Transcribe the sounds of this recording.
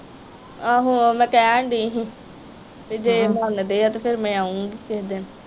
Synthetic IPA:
aːɦũmɛ̃ːkɛːaɳɖiːɦĩ | bid͡ʒeːmand̪eːat̪epʰɪɾmɛ̃ːaːũːɡiːkeɦd̪en

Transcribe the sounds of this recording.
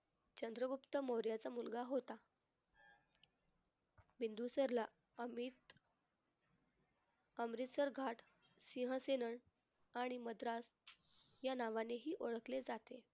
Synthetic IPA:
t͡ɕənd̪ɾəɡupt̪əmoɾjat͡samulɡaɦot̪a | bind̪usəɾla | əmit̪ | əmɾit̪səɾɡʱaʈʰ | siɦə̃senəɳ | aɽ̃iməd̪ɾas | janaʋaneɦiːʔoɭəkled͡zat̪e

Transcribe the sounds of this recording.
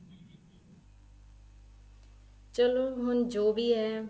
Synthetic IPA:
t͡ʃəloːɦʊnd͡ʒoːbiːɦɛː

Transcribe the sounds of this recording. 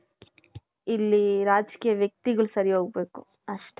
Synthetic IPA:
ilːiɾaːd͡ʒkiːjɐʋjɐk̚t̪iɡɐɭusɐɾioːɡ̚beːku | ɐʂʈe

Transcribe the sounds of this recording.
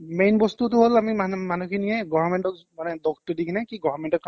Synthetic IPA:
mejnbɔstutʊɦolamimamanukʰiniɛɡɔɔmɛntɔk | manɛdɔktʊdikʰinɛkiɡɔvɔmɛntɔkːa

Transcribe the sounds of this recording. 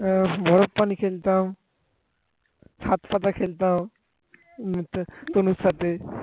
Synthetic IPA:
bɔɾɔppːanikʰelt̪aũ | sʰat̪pʰat̪akʰelt̪aːũ | mt̪t̪onusat̪e

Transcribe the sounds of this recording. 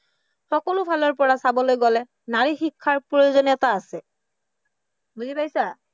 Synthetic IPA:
xɔkɔlʊpʰalɔɹpɔɹasabɔlojɡɔlɛ | naɹixikʰːaɹpojozɔnɛtaːsɛ | buzipajsa

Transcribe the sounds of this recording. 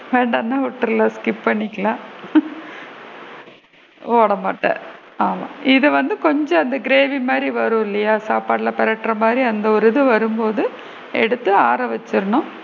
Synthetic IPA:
ʋeːɳɖaːnːãːʊʈːɯɾɯlɐːskɪppɐɳːɪkːɐlaː | oːɽɐmaːʈːɐ̰̃ | aːmã̰ːʔɪðɐʋɐnd̪ɯkɔɲd͡ʒɔ̃ɐnd̪ɐɡɪɾeːʋimaːd̪ɾiʋɐɾɯ̃ɪlːɐjaːsaːpaːɽlɐpɪɾɐʈːɾɐmaːd̪ɾiɐnd̪ɐɔɾɯðɯʋɐɾɯmpoːðɯ | ɛ̰ɽɯt̪ːɯaːɾɐʋɐt͡ʃːɯɾɐɳʊ̃

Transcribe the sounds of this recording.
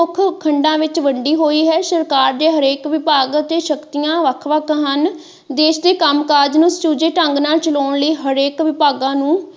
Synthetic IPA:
ʊkʰkʰəɳɖãːʋɪt͡ʃʋəɳɖiːɦoːiːɦɛːʃəɾkaːɾd̪eːɦəɾeːkʋɪpaːɡt̪eːʃəkt̪ijãːʋəkʰʋəkʰɦən | d̪eːʃd̪eːkəmkaːɾd͡ʒnũst͡ʃuːd͡ʒeːʈəŋɡnaːlt͡ʃəloːɳləiːɦəɾeːkʋɪpaːɡãːnũː

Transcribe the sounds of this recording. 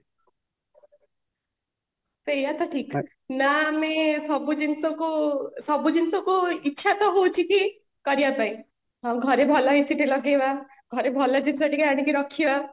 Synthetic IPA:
sejat̪ɔʈʰik | namesɔbud͡ʒinsɔkusɔbud͡ʒinsɔkuitːʃʰat̪ɔɦowt͡ʃʰiki | kɔɾijapai | ɦãɡʱɔɾebʱɔlɔɦisiʈelɔɡeba | ɡʱɔɾebʱɔlɔd͡ʒinsɔʈikaaɽ̃ikiɾɔkʰiba

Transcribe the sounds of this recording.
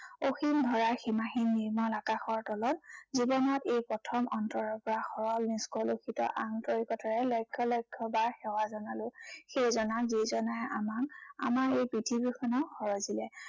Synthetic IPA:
oximdʱɔɹaɹximaxinːiɹmɔlakaxɔɹtɔlɔtzibɔnɔtejpɹɔtʰɔmɔntɔɹɔɹpɔɹaxɔɹɔlniskɔlokʰitɔ̰ʔaŋtoɹikɔtaɹɛlɔjkʰːɔlɔjkʰːɔbaɹxɛwazɔnalʊxejzɔnazizɔnajʔamaka̰maɹejpɹitʰibjuxʰɔnaxɔɹɔzilɛ

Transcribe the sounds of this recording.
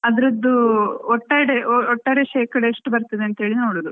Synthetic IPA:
ɐd̪ɐɾɐd̪ːuɔʈːaːjɐɽeɔʈːaːɽeʃeːkɐɽeːʂʈubɐɾt̪ɐd̪eɐnt̪ɦe̞ːɭinoːɽuːd̪u

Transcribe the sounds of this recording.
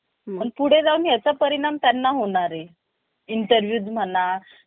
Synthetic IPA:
pəɳpuɽ̤ed͡zauːnɦjat͡sapəɾiɽ̃amt̪janːaɦoɽ̃aɾe | inʈəɾʋjuːd͡zm̤əna

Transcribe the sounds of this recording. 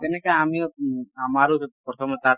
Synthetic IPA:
k̪ɛnekaamiamaɾopɾɔt̪ʰɔmɔt̪a

